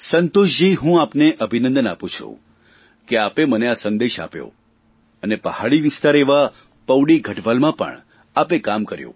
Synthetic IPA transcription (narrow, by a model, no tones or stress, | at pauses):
sənt̪oʃd͡ʒiɦũapneʔəbʱinə̃nd̪ənapũt͡ʃʰṵ̃ | keapeməneasənd̪eʃa̰pjo̰ | ənepəhaɭiʋɪst̪aɾeʋa | pəwɽiɡʱəʈʋalmãpə̰ɳ | apekamkəɾjõ̰